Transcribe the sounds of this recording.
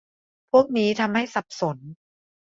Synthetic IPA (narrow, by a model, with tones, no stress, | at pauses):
pʰu˥˩ək̚niː˦˥t̪ʰa˧mha˥˩jsa˨˩p̚so˩˦n